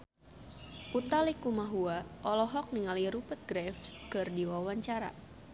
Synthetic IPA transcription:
ʔut̪alikumaɦuaʔɔlɔɦɔk̚niŋaliɾupət̪̚ɡɾɛfkɨrdiwawaɲt͡ʃaɾa̰

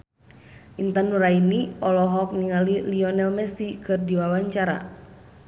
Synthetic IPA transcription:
ʔint̪anuɾainiɔlɔɦɔk̚niŋaliliɔnɛlmɛsikɨrdiwawaɲt͡ʃaɾa̰

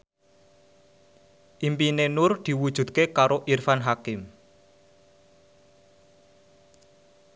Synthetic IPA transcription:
ʔimpinenʊrd̪̥i̤wud̥ʒ̥ṳd̪̚kekaɾoʔirfanɦakɪm

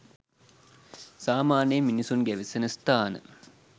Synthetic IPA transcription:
saːmaːnəjəminisunɡæʋisenəst̪aːnə̰

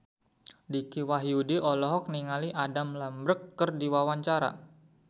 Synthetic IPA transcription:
dikiwaɦjudiʔɔlɔɦɔk̚niŋaliʔadamlambɾəkːərdiwawaɲt͡ʃaɾa̰

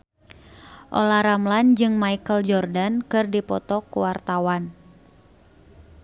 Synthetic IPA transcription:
ʔo̰lahɾamland͡ʒɨŋmaikəld͡ʒɔrdankɨrdipɔt̪ɔkuwart̪awan

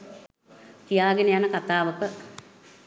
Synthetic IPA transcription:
k̪ijaːɡenəjanəkat̪aːʋəkə

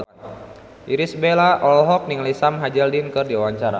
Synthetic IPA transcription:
ʔiɾisbelaʔɔlɦɔk̚niŋalisamɦad͡ʒɛldinkɨrdiawaɲt͡ʃaɾa̰

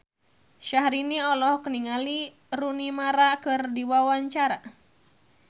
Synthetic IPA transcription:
ʃaɦɾiniɔlɔhkəniŋali | runimaɾakɨrdiwawaɲt͡ʃaɾa

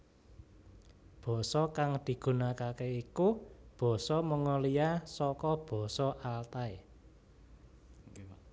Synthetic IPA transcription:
b̥ɔ̤sɔkaŋd̪̥i̤ɡ̥ṳnakakeikub̥ɔ̤sɔməŋɔlijasɔkɔb̥ɔ̤sɔʔalt̪ae

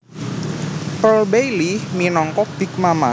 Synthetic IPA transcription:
pəlbejliminɔŋkɔb̥ik̚mama

